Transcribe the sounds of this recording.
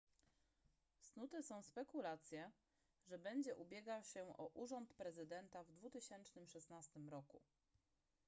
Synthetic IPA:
snut̪ɛsɔ̃w̃spɛkulat̪sʲjɛ | ʐɛbɛɲd͡ʑɛʔubʲjɛɡawɕɛʔɔʔuʐɔnt̪pɾɛzɘd̪ɛnt̪avd̪vut̪ɘɕɛnt͡ʂnɘmʂɛsnast̪ɘmɾɔku

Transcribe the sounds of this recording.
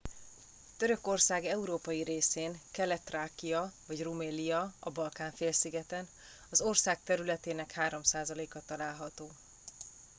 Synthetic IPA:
t̪øɾø̞ko̞rsaːɡɛuɾoːpɒjiɾeːseːŋkɛlɛt̪raːkijɒvɒɟrumeːlijɒɒbɒlkaːɱfeːlsiɡɛt̪ɛn | ɒzo̞rsaːk̚t̪ɛɾylɛt̪eːnɛkhaːɾo̞msaːzɒleːkɒt̪ɒlaːlɦɒt̪oː

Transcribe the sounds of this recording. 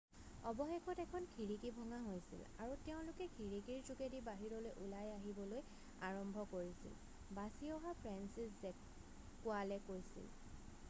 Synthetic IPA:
ɔbɔxekʰɔtɛkʰɔnkʰiɹikibʱɔŋaɦojsḭla̰ɹuteʊ̃lʊkɛkʰiɹikiɹzukedibaɦiɹɔlojʔulajaɦibɔloj | aɹɔmbʱɔkoɹisḭl | basiɔɦapʰɹɛnsiszɛ | kːʊalɛkojsḭl

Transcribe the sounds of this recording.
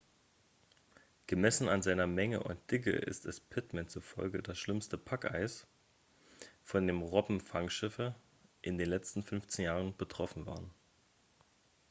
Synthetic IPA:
ɡ̥əmɛsn̩anzaɪnɐmɛŋə̰ʔʊ̰nt̚d̥ɪk̬ə̰ʔɪ̰stɛspʰɪtmɛnt͡sufɔ̰lɡə̰dasʃlɪmstəpʰakʔa̰ɪs | fɔndeːmʁɔbm̩faŋʃɪfə | ʔɪndeːnlɛt͡stn̩fʏnft͡seːnjaːʁ̞ənb̥ətʁ̥ɔfn̩va̰ːʁən

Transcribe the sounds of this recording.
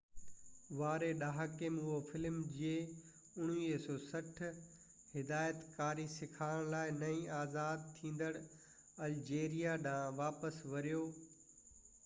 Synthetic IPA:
ʋaːɾeɗaːɦakeːmʊɦofɪlmd͡ʑie | ʊɽ̃iːsɔːsɐʈʰ | hɪd̪aːjət̪kaːɾisɪkʰaːəɽ̃laːɪnɐĩːaːzaːd̪̚t̪ʰĩːn̆d̪əɽ | ɐld͡ʑeːɾijaɗãːʋaːpəsʋɐɾijoː

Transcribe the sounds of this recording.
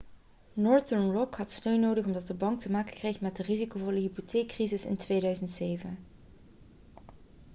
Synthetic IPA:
nɔɹdəɹnɹɔkhɑtstøɥnːowdəχɔmdɑt̚dəbɑŋk̚təmaːkə̥krejxmɛt̚dərizikowvoːɹləɦipotʰeːkːrizɪsɪ̰ntʋejdœɥzəntsejvən

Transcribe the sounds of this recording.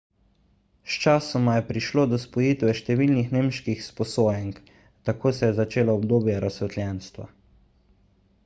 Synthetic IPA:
st͡ʃasɔmajɛpɾiʃloːd̪ɔspɔjit̪ʋɛʃt̪ɛʋiːlnixnemʃkixspɔsoːjɛŋk | t̪akoːsɛjɛzat͡ʃeːlɔɔbd̪oːbjaɾasɛt̪ljɛnst̪ʋa̰

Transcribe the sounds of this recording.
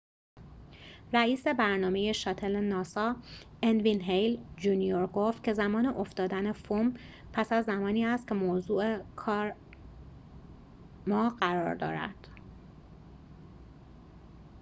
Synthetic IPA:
ræiːse̞bæɾnɒːme̞je̞ʃɒːt̪ʰelenɒːsɒː | envinɦejld͡ʒunijoɾɡoft̪̚cʲʰe̞zæmɒːneʔo̞ft̪ɒːd̪ænefum | pʰæsæzːæmɒːniːæst̪̚cʲʰe̞moːzuːekʰɒːɾ | mɒːɢæɾɒ̰ːɾd̪ɒ̰ːɾæ̰d̪̥

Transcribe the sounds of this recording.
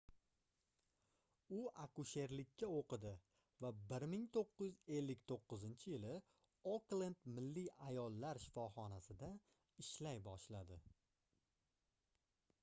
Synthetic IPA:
ʊakʊʃe̞ɾlɪkʲʰːaoqʰɨd̪ɪ | vabɪɾmɪŋt̪ʰoqːɨjɪze̞lːɪkʲt̪ʰoqːɨzɪnt͡ʃʰɪjɪlɪ | oklend̪mɪlːiajɒlˠːaɾʃɪ̥fɒχɒnasɪd̪a | ɪʃlajbɒʃlad̪ɪ

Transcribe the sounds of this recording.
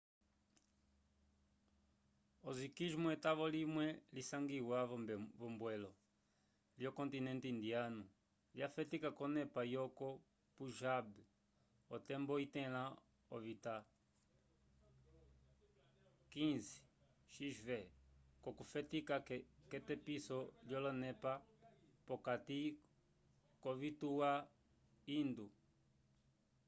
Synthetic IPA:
ozikiʒmuɛt̪aβɔlimwɛlisaŋɡiwavɔmbwɛlɔ | liokõnt̪inɛ̃nt̪iind̪ianu | liafɛt̪ikakonɛpajɔko | puʒab | ot̪ɛmbɔit̪ɛ̃lã | ɔvit̪a | kĩnzi̥ | ʃiʒvɛkɔkufɛt̪ikakɛt̪ɛpisɔljɔlɔnɛpapɔkat̪i | kɔvit̪uwa | ind̪u

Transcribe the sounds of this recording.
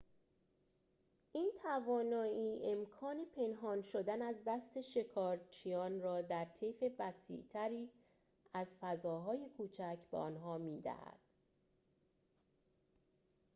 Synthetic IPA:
ʔiːnt̪ʰævɒːnɒːiːe̞mkʰɒːne̞pʰe̞nɦɒːnʃo̞d̪ænæzd̪æst̪ʰe̞ʃe̞kʰɒːɾt͡ʃʰijɒːnrɒːd̪æɾt̪ʰefe̞væsḭʔt̪ʰæɾiː | æzfæzɒːɦɒːje̞kʰuːt͡ʃʰæcʰbḛɒ̰ːnɦɒːmiːd̪æ̰hæ̰d̪̥

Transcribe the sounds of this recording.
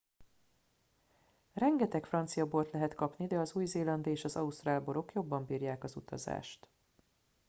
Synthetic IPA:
rɛŋɡɛt̪ɛkfrɒnt̪sijɒboːlt̪lɛɦɛt̪kɒpnid̪ɛɒzuːjzeːlɒnd̪eːʃɒzɒust̪raːlbo̞ɾo̞kjo̞bːɒmbiːrjaːkɒzut̪ɒ̰za̰ːʃt̪

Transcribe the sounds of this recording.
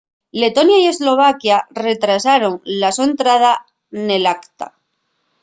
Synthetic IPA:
le̞t̪o̞njaje̞zlo̞β̞akjare̞t̪ɾasaɾo̞ŋlasuent̪ɾað̞a | ne̞lakt̪a̰

